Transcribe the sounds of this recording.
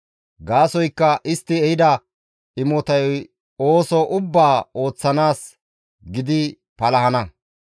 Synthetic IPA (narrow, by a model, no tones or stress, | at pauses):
ɡaːsɔjkːɐʔɪst̪ːɪɛhɪd̪ɐ | ɪmɔt̪ɐjj | oːsɔʔʊbːaːo̞ːt͡sːɐnaːs | ɡɪd̪ɪ | pɐlɐhɐnɐ